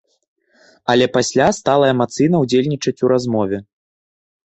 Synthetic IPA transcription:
ɐlʲɛpasʲlʲast̪alˠɐɛmat̪sɨjnɐwd͡zʲelʲnʲit͡ʂɐt͡sʲuɾazmɔvʲɛ

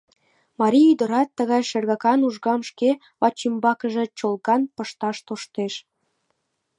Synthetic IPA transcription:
mɑɾʲiyd̪ə̆ɾɑt̪ːəɣɑjʃerɣɑkɑnuʒɣɑmʃke | βɑt͡ɕimbɑkəʒĕt͡ɕolɣɑnpəʃt̪ɑʃt̪oʃt̪eʃ

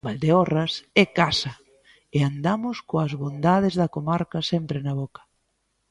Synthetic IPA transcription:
bald̪eɔrɐsɛkasɐ | eand̪amʊskoɐzβond̪að̞ɪzðɐkomaɾkɐsɛmpɾɪnɐβɔkɐ̥

